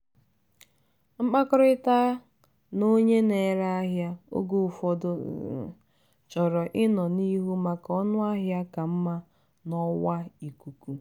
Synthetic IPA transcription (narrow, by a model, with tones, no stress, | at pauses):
ŋ͡m̩˦k͡pa˦kʊ˦ɾɔ˦ɪ˦ta˦ | no˦ɲe˦ne˨ɾa˦a˦ɦja˦o̰˦ɡo˦˨fɔ˦dʊ̰˦˨ | t͡ʃɔ˨ɾɔ˨ʔɪ˦nɔ˨ni˦ɦu˦ma˨kɔ˦nʊ˦a˦ɦja˦ka˨m̩˦ma˦ | nɔ˦wa˦i˨ku˨ku˦